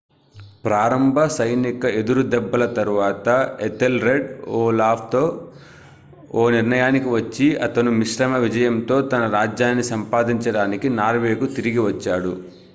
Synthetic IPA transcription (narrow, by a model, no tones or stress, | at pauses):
pɾaːɾɐmbʱɐsɐjnikɐe̞d̪uɾud̪ɛbːɐlɐt̪ɐɾuʋaːt̪ɐet̪elɾeɖoːlaːp̚ʰt̪o̞ː | oːniɾnɐjaːnikiʋɐt͡ʃːiɐt̪ɐnumiʂɾɐmɐʋid͡ʒɐjɐmt̪o̞ːt̪ɐnɐɾaːd͡ʒjaːnːisɐmpaːd̪iɲt͡ʃɐɽaːnikinaːɾʋe̞ːkut̪iɾiɡiʋɐt͡ʃːaːɽu